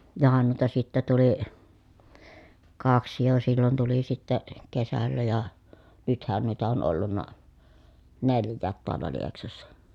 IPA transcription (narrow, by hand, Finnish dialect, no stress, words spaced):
johɑn nuitɑ sitːæ tuli kɑksi jo silːon tuli sitːe kesælːæ jɑ nythæn nuitɑ on olːunːɑ neljˑæːt toɑlːɑ lieksɑsːɑ